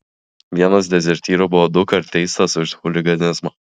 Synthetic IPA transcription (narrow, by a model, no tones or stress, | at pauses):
ʋʲiɛnɐsd̪ʲɛzʲɛɾʲt̪ʲiːɾoːbʊʋoːd̪ʊkɐɾt̪ʲɛɪst̪ɐsʊʃxʊlʲɪɡɐnʲɪzmɐ